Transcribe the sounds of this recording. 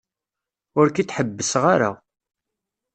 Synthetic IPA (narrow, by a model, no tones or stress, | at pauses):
ʊɾkit̪ħəbːəsʁaɾa̰